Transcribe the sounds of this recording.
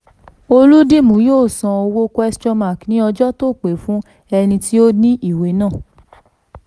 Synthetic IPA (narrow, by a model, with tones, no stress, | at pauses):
o˧lu˦di˦˨mũ˨˦joː˦˨sã˧o˧wo˦kɛ˧st͡ʃɔ˧ma˨knĩ˨˦ɔ˧d͡ʒɔ˦to˦˨k͡pe˨fũ˦ | ɛ˧nĩ˧ti˦o˦nĩ˦i˦˨we˨˦nãː˦˨